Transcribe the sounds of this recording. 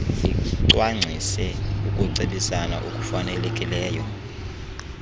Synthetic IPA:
iǀwaŋ͡ǀʱisɛukʼuǀiɓisana̰ʔukʼufanɛlɛkʼilɛːjɔ

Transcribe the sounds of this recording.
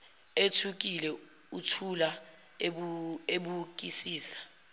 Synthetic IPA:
etʰuk̬ilɛ | utʰula | eɓuk̬isiːsḁ

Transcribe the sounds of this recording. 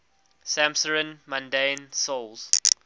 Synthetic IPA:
sæ̃msəɹə̃nmãndẽɪnsolˠz̥

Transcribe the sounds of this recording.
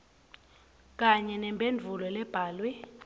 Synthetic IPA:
k̬ʼaɲɛnɛmbʱend͡vʱulɔlɛb̥ʱaːlwɛ

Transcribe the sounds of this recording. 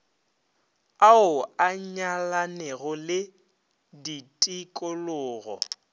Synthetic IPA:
aʊaɲalanɛɣʊlɪ | ditʼɪkʼʊlʊːɣɔ̰

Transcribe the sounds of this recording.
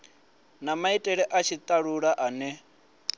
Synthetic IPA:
namaitʼɛɺɛʔat͡ʃʰit̪ʼaɺuɺaʔanɛ

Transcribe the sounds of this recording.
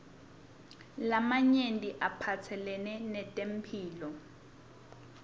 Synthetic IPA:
lamaɲendʼiʔapʰat͡sʰɛlɛnɛnɛtʼem̩pʰiːlɔ

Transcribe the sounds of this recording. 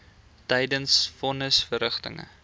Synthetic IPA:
təjdənsfɔnəsfəɾəχtə̰ŋə̰

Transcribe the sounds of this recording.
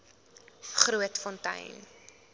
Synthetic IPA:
χruətfɔntɐ̰jn

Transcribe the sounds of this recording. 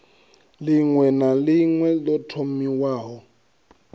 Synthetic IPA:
lɪŋwɛnalɪŋwɛlɔtʰomiwaːɦɔ

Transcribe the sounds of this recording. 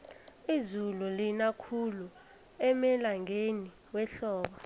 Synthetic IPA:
izululinakʰulu | ɛmɛlaŋʱeni | wɛɬɔːɓa

